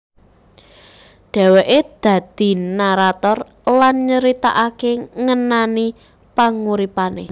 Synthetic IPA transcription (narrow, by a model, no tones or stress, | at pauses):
ɖ̥ɛ̤weʔed̪̥ä̤d̪̥i̤naɾat̪ɔr | lanɲəɾit̪a̰ʔakeŋənani | paŋuɾipanḛ